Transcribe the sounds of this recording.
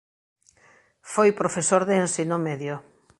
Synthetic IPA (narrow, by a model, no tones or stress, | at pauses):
fojpɾofesoɾðeːnsinomeðjo